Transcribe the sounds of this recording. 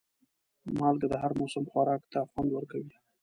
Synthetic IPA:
mɑlɡad̪əɦaɾmosamxwaɾɑkt̪aːfwɑnd̪wəɾkawi

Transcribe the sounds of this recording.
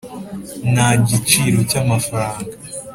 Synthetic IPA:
naɟit͡ʃiɾo̞camafɾaːŋɡa

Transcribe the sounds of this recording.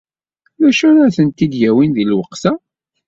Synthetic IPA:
ðæʃuɾæɾθənt̪id̪jæwinðilwəqːsæ

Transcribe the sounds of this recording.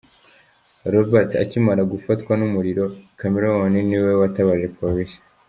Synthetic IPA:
ɾobaɾta̰cimaɾaɡufatkwanumuɾiɾo̞kameɾowaniniwewataβaʒe̞poɾisi̥

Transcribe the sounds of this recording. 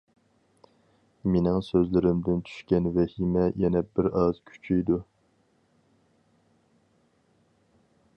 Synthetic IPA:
menɪŋsøzlɪɾɪmd̪ɪnt͡ʃʰy̥ʃkʲɛnvɛhimɛjɛnɛbɪɾɑz̥kʲʰy̥t͡ʃʰijd̪u

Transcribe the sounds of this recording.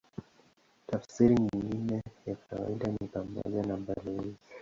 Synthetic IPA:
tafsiɾiɲiŋɡinɛjakawa̰iɗanipamɔ̰ʄanaɓalɔzi

